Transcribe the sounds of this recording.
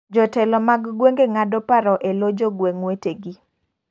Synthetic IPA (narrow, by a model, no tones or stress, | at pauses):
d͡ʒɔtɛlɔmaɡɡweŋɡeŋadɔpaɾɔʔelod͡ʒoɡweŋweteɡi